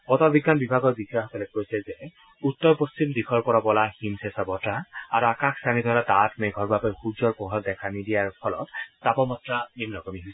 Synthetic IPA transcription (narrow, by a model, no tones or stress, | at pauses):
pɔtɔbiɡːanbibʱaɡɔɹbikʰaxɔkɔlɛkojsɛzɛ | utːɔɹpost͡ʃimdixʰɔɹpɔɹabɔlaximsɛsabɔtaaɹuakaksanid̪ʱɔlatatmeɡʱɔɹbapɔjxud͡ʒɔɹpɔɦɔt̚dɛkʰanidiaɹpʰɔlɔ̰ttapɔmɔtɹanimnɔkɔmiɦojs